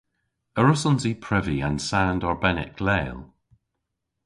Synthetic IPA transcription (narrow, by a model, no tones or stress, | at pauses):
əɹʊsɔ̃nzipʰɹ̥ɪviə̃nsãndɔɹbɛnɪ̰kʰlɛːlˠ